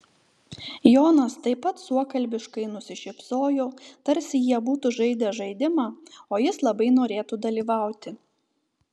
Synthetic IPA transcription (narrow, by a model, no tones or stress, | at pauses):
joːnɐst̪ɐɪpːɐt̪suɔkɐlʲbʲɪʃkɐɪnʊsʲɪʃʲɪpsoːjoːt̪ɐɾʲsʲɪjiɛbuːt̪uʒɐɪd̪ʲɛʒɐɪd̪ʲɪmɑːoːjɪslˠɐbɐɪnoːɾʲeːt̪uːd̪ɐlʲiːʋɑˑʊt̪ʲɪ